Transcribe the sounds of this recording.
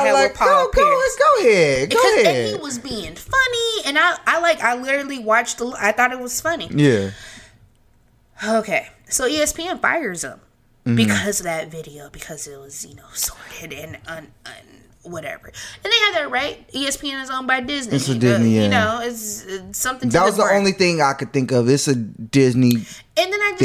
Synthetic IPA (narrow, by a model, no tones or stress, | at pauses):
laɪk̚pʰoɡʊlɛsɡoʊhɪɡokʊʌɛit̚wʌzbiɪ̃ŋfʌniɨ̃naɪaɪlaɪkaɪlɪɾə˞l̩ˠiwɑt͡ʃtəla̰ɪθɔɾɨt̚wʌz̥fʌnijæ | oʊkʰeɪ | soʊiɛspʰiɛ̃nfa̰ɪə˞zə̰̃m | m̩mbɨkʰʌzʌvðɨtvɪɾioʊbɨkʰʌzɪt̚wʌzjɨ̰noʊsɔɹɾɪɾɨ̃nʌ̃nʌ̃n | wʌɾɛ̰və̰˞ɨ̃nðeɪɨd̪̚ðɨt̚ɹaɪt̚iɛspʰiɛ̃nɨzõʊ̃nbaɪdɪzniɪtsɨdɪznijæɨnoʊɪtsɪsʌ̃mθɪ̃ðæt̚wʌzðiõʊ̃nliθɪ̃ŋaɪkɨd̪̚θɪ̃ŋkʌvɪtsɨdɪzni | ɨ̃nðɨ̃naɪd͡ʒ